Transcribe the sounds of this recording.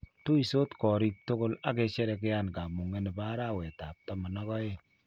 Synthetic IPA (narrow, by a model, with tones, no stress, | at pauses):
to˦i˨so˦tkɔ˨ɾi˦k̚to˦ko˦la˦kɛ˨t͡ʃɛ˦ɾɛ˧k̬ɪ˦ja˦nka˨mu˨ŋe˦nɛ˨pa˦ɾa˦˨wɛ˨ta˨p̚tɔ˨˦ma˨nɔ˦kɔ˦e˦